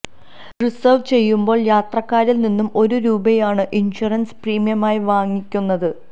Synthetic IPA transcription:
risɐːʋt͡ɕe̞jːumbo̞ːɭjaːt̪rɐkːaːɾilninːumo̞ɾuɾuːbɐjaːɳɨʔinɕɐrɐnspriːmijɐmaːjiʋaːŋikʲːunːɐðɨ

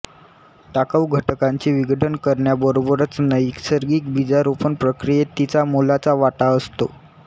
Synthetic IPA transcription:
ʈakəʋɡʱəʈkaɲt͡ɕiːʋiɡəʈənkəɾɳjabəɾobəɾət͡snəjiksəɾɡiːkbid͡zaɾupənpɾəkɾijet̪it͡samulat͡saʋaʈaəst̪o̰

